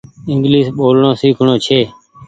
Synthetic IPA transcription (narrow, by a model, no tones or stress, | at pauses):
ɪŋɡliːsɓoːlɳõːsiːkʰɳoːt͡ʃʰeː